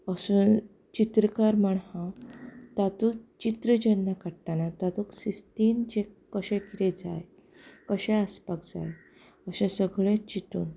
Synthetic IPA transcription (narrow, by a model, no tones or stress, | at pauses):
əsuːn | t͡ɕit̪ɾəkaɾməɳhãt̪at̪ukt͡ɕit̪ɾəd͡ʑənːakaʈʈanat̪at̪uksist̪iːnd͡ʑekəɕɛ̃kʰiɾed͡za̰j | kəɕɛ̃aspakd͡za̰j | əɕẽsəɡɭẽt͡ɕit̪ṵːn